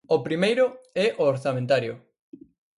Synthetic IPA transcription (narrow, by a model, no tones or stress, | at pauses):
opɾimejɾʊɛʔoːɾθamẽnt̪aɾjʊ